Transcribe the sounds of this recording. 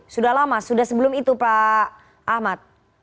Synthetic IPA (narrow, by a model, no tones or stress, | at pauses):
sudahlamasudahsəbəlʊmit̪upa | ahmat̪̚